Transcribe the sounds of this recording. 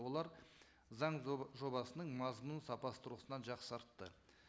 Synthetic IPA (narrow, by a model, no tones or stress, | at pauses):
olˠɑɾ | zɑɴʒo̞bɑsənəɴmɑzmənsɑpɑst̪ʊɾəsənɑnʒɑqsɑɾt̪ːə